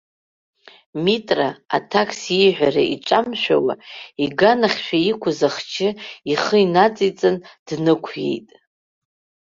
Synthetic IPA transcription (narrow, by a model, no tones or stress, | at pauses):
mitʼra̰ːtʰakʰsiʕʷᶣaɾa̰ʔiʈ͡ʂʷʼamʃᶣa̰wa̰iɡanaχʲʃʷᶣaikʷʰʊzaχt͡ʃʰɪiχəinat͡sʼit͡sʼɨnd̥nɨkʷʰje̞̰jtʼ